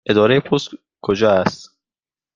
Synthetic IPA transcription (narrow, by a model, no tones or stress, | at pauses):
ʔe̞d̪ɒːɾejepʰost̪ | kʰod͡ʒɒːæst̪